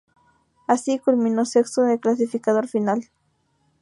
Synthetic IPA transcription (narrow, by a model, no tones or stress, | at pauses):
asikulminosekst̪oðeklas̬ifikaðoɾfinal